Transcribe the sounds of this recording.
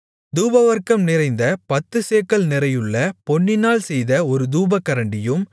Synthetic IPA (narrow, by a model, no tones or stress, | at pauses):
d̪uːbɐʋɐɾkɐmnɪɾɐɪnd̪ɐpɐt̪ːɯseːkːɐɭnɪɾɐjɯɭːɐpɔɳːɪnaːlsɛjðɐɔɾɯd̪uːbɐkːɐɾɐɳɖɪjɯm